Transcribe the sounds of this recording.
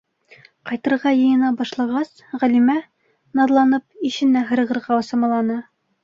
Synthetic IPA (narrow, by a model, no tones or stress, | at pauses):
qɑjt̪ɤ̆ɾʁɑjɤ̆jɤ̆nɑbɒʃlˠɑʁɑs | ʁælimæ | nɑd̪lˠɑnɤp̚iʃɘ̆nːæɦɤ̆ɾɤ̆ʁɤ̆ɾʁɑɤ̆sɑ̆mɑlˠɑnɑ